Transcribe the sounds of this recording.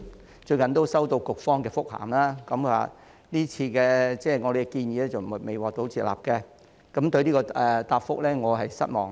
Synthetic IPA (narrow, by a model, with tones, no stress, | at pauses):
t͡ʃɵ˧ɥkɐ˨nt̪o˥wsɐ˥wt̪o˧wkʊ˨k̚fɔː˥ŋkɛː˧fʊ˥k̚ha̰ː˨˩mlaː˥kɐ˨˦mkʰwa̰˨˩ | niː˥t͡sʰiː˧kɛː˧t͡sɛː˥˩ŋɔː˨˧ɾe˨˩kɛ˧kiː˧njiː˨˧lɛː˥t͡sɐ˨wm˩˨˩me˨˩jwaː˨k̚t̪o˨˥wt͡sʰiː˧t̚la̰ː˨p̚kɛː˧ | kɐ˨˥mt̪ɵ˧ɥliː˥kɔː˧ɛ˨t̪aː˧p̚fʊ̰˥k̚lɛː˥ŋɔː˨˧ɦɐ˨jsɐ̰˥t̚mɔ̰ː˨˩ŋ